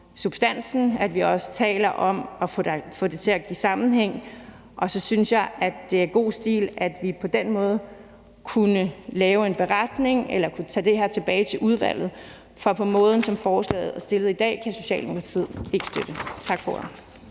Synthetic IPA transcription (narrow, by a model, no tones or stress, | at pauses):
sub̥sd̥æn̰sn̩æd̥ʋiɒ̽sə̥t͡sʰɛ̰ːlɐʔɒ̽mɒ̥̽fɔ̽d̥e̝t͡sʰe̝æɡ̥ḭːsɑ̈mn̩ɦeŋ̰ | ʔɒ̽sɒ̽synsjɑ̈ɪʔædːe̝æɐɡ̥o̝̰ːsd̥ḭːlæd̥ʋipʰɒ̽d̥en̰mɔ̽ːð̞̩ˠ | kʰunəlɛːʊe̝nb̥e̝ʁad̥ne̝ŋelɐkʰut͡sʰɛ̰ːd̥e̝ɦæɐt͡sʰe̝b̥ɛːɪt͡sʰe̝lʔuð̞ˠʋæ̰l̰ð̩ˠ | fɒ̽pʰɒ̽mɔ̽ːð̞ˠn̩sɒ̽mfɒːslɛ̰ːð̩ˠæsd̥e̝lð̩ˠid̥ɛ̰ːkʰæso̝ɕɛ̰ːld̥e̝mo̝kʰʁɑ̈t͡sʰḭð̰ˠe̝ɡ̥ə̥sd̥ød̥ət͡sʰɑ̈ɡ̥fɒ̰